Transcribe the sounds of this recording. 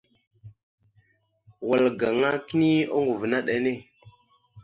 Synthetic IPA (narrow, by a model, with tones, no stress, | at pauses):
wa˨lɡa˨ŋa˦ki˦ni˦o˦ŋu˨vna˦ɗa˨ne˦˨